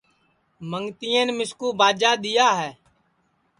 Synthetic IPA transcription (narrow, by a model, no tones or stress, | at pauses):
məŋt̪ijẽːnmɪskuːbaːd͡ʒaːɗ̪ɪjaːɦɛː